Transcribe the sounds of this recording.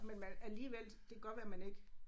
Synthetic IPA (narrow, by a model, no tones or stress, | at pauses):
menmænæliːʋel̰ | d̥e̝ɡ̥ɶʋæɐmæne̝ɡ̥ə